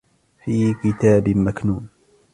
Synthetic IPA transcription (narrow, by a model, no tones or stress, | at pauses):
fiːkɪt̪aːbmaknuːn